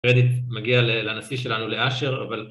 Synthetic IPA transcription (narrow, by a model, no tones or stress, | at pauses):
ʁed̪it̪maɡialelanasiʃe̞lanuleʔaʃeʁa̰val